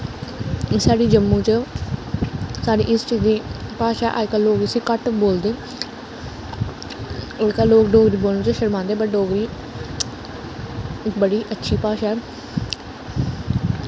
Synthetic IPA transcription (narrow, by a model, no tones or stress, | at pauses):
saːɽiːd͡ʒəmːũːt͡ʃə | saːɖḭːʔɪst͡ʃiːziːpaːʃaːʔa̰ːɪkaːloːkəsiːkəʈboːld̪eː | oːkaloːkɖoːɡɾiːboːlnõːt͡ʃəʃəɾmãːnd̪eːbəʈɖoːɡɾiː | ɪkbəɽiːʔətːʃʰiːpaːʃaːɛ